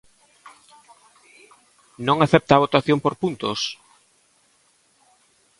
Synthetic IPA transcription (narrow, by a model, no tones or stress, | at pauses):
nõŋaθɛp̚t̪aːβot̪aθjompoɾpunt̪os